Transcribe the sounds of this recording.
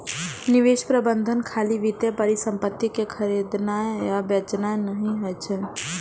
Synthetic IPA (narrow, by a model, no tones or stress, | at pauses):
nɪʋeːʃpɾəbə̃nd̪ʱənkʰaːliʋit̪epəɾisə̃mpət̪ːikekʰəɾid̪najabɐt͡ʃnanəɦĩɦojt͡ʃʰe